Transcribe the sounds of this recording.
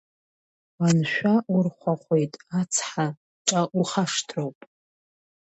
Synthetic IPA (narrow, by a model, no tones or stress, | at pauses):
anʃᶣʷaʔurχʷaχʷejtʼat͡sʰħa | ʈ͡ʂʼaʔuχaʂtʰrowpʼ